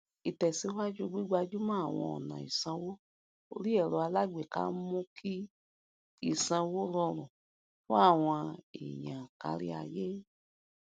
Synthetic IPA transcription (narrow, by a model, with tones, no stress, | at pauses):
i˨tɛ˨si˧˦wa˦d͡ʒu˦ɡ͡bi˦ɡ͡ba˧d͡ʒu˦mã˦a˦˨w̃ɔ̰̃˧ɔ̰˨nã̰˨i˨sã˧wo˦ | o˧ɾi˦ɛ˦˨ɾɔ˧a˧la˦ɡ͡be˨ka̰˨˦mũ˦kʰi˦ | i˦˨sã˧wo˦ɾɔ˧ɾ̃ũ˨ | fɔ̃˦a˦˨w̃ɔ̃˧ḭ˨jã˨ka̰˧˦ɾḭ˧˦a̰˧je˦